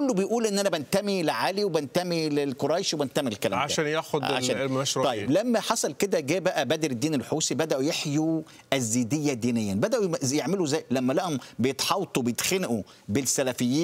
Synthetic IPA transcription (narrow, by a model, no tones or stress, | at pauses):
kolːobejʔuːlʔenːʔænæbænt̪æmilʕaːliwebænt̪æmilelkoɾˤɑjʃwebænt̪æmilkːælæ̰mʕaʃææːnjæxodʕa̰ʃæːæʃɾt̪ɑjːeblæmːæħɑsˤɑlked̪æɡæːbæʔæbæd̪eɾed̪ːiːnelħuːsibæd̪æʔujeħju | ʔæzːiːd̪ejːæd̪iːnejːænbæd̪æʔujeʕmeluzæːjlæmːælæhombejet̪ħɑwt̪ˤubejet̪xenæʔu | besːælæfejːiː